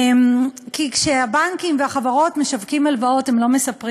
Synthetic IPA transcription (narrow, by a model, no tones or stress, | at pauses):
mkikʃeabaŋkimveaχavaʁo̞tme̞ʃavkimalvao̞temlo̞me̞sapʁi